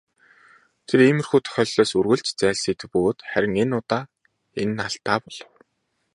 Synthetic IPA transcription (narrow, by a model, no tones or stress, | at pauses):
t̪ʰeɾeːmɘ̆rxuːt̪ʰœ̥xʲœːɮɮɔːsurɣɘ̆ɮt͡ɕt͡sæːɮsiːt̪pɵɣoːt̪χæɾʲɪ̆ŋenʊt̪aː | enːaɬt̪aːpɔɮ̥ɞ̆w